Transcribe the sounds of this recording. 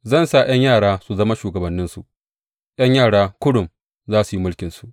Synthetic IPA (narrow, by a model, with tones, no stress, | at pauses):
zɐ˦˨nsa˨j̰ɐ˦ɲjaː˦˨ɽaː˦su˨zɐ˦ma˦ʃuː˨ɡɐ˨bɐ˨nːɪ˦nsu˨ʔ | jɐ˦ɲjaː˦˨ɽaː˦kʷʊ˦ɽʊ˨m | zaː˦su˨ji˦mʊ˦lkʲɪ˨nsu˨ʔ